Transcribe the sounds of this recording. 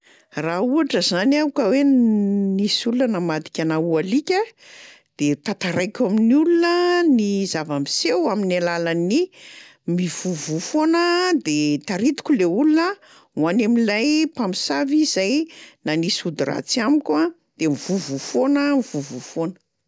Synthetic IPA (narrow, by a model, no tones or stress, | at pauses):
rauaʈ͡ʂəzanaukəwenisulunənamad̪i̥kʲanaualikʲə | d̪̥et̪at̪aɾajkʲaminulunənizavamisewaminalalani | miv̥uvufonəd̪et̪aɾit̪u̥kʲuleulunə | uanamilajpamisavizajnanisud̪ira̰t͡siamikʲwa | d̪̥emivuvufonəmivuvufonə̥